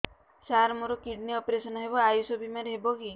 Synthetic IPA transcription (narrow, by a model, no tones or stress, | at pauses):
saɾmuɾokiɖniɔpɾesɔnɔɦebɔajusobimaɾɦebɔki